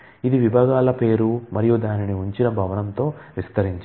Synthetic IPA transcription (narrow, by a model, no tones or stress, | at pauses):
id̪iʋibʱaːɡaːlɐpe̞ːɾumɐɾijud̪aːniniuɲt͡ʃinɐbʱɐʋɐnɐnt̪o̞ːʋist̪ɐɾiɲt͡ʃ